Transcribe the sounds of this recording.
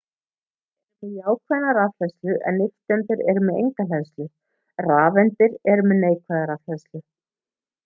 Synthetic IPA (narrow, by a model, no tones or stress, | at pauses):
ɛmɛðjaːwkʰvɛnːaɾaðfɛslʏʔɛ̰nːɪft̪ɛnt̪ɪɾɛɾʏmɛðḛjŋkalɛðst̪lʏ | raːvɛnt̪ɪɾɛɾʏmɛðneːjkʰvaðaɾafɛðslʏ